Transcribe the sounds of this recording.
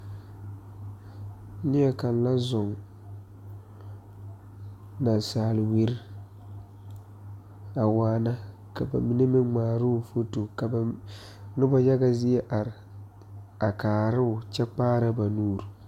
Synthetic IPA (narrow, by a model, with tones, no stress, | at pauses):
nɪ˦ɛ˦ka˨nla˦zʊ˨ŋ | na˨n˨saː˨lɪ˨we˦ɾ | a˨waː˦na˦ | ka˨ba̰˨mi˦ne˦mɪ˦nŋ͡maː˨ɾʊ˦ʊ˨fo˦to˨ka˨ba˨ | nʊ˦bɔ˦ja˦ɡa˦zɪ˦ɛ˦ʔa˨ɾɪ˨ | a˨kaː˨ɾɪ˦ʊ˨t͡ʃɛ˦k͡paː˦ɾa˦ba˨nuː˦˨ɾ